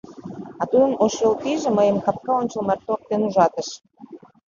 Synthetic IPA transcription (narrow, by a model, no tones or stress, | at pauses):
ɑt̪ud̪ənoʃjolt̪iʒĕməjəmkɑp̚kɑonʲt͡ɕə̆lmɑrt̪ok̚t̪enuʒɑt̪ə̆ʃ